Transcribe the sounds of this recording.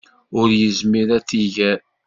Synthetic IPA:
ʊɾjəzmiɾæt͡sːiʝæ

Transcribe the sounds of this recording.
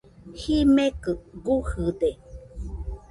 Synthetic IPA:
himekɨɡuhɨde

